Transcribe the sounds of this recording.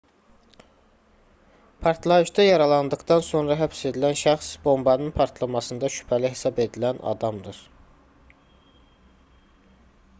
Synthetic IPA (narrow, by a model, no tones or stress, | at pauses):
pʰɑɾt̪ʰlˠɑjɯʃd̪ɑjɑɾɑlˠɑnd̪ɯkd̪ɑnso̞nɾɑɦæpse̞d̪ilænʃæxsbo̞mbɑnɯnpʰɑɾt̪ʰlˠɑmɑsɯnd̪ɑʃy̥pʰæliɦe̞sɑbe̞d̪ilænɑ̰d̪ɑmd̪ɯɾ̥